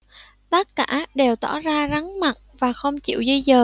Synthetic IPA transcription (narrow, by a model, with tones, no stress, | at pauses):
t̪ə˦˥t̚kaː˧˩ɗe˨˩wt̪ɔ˧˩zaː˧za˨˦ŋma̰˧˨n | vaː˨˩xə˧wŋ͡mt͡ɕḭ˧˨wzi˧zəː˨˩